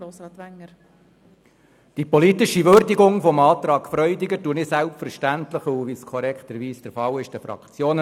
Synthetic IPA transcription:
oːsɑt̪ʋæŋːə | d̥ipɔlit̪ɪʃiʋøɾdiɡʊŋfɔmɑːt̪ɾɑːɡfɾœʏdɪɡətuənɪsælpfəɾʃtænt̪ləχuʋiskʰɔɾɛkχt̪əɾʋiːsd̥əɾfɑlɪʃd̥əfɾɑ̰kt͡sjoːn

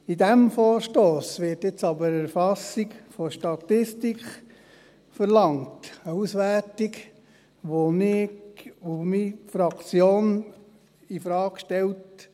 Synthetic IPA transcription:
idæmfɔːɾʃtoːsʋɪtɪt͡sɑbəɾæɾfɑsiɡfoʃtɑtɪstikχ | fəɾlɑŋtəusʋærtiɡ | ʋonɪkumifɾɑkt͡sjoːn | ifɾɑːkkʃtɛlt

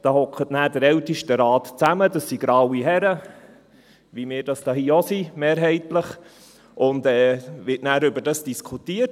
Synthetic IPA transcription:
d̥ɑːhɔkʰχətnæːdəɾɛwtiʃtəɾɑːtt͡sæmədɑsːiɡɾɑwiɦɛɾə | ʋimɪːɾd̥ɑsd̥ɑːhiːosimeːɾɦɛɪtləχ | ʔʊndɛːʋɪtnæːɾʏbəɾdɑsd̥iskʰutiːət

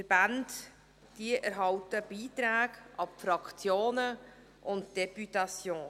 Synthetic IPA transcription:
əb̥and | d̥iəʔæɾɦɑwtəb̥iːtɾæːɡʔɑpfɾɑkt͡sjoːnə | ʔʊntd̥ɛpytɑsjoː

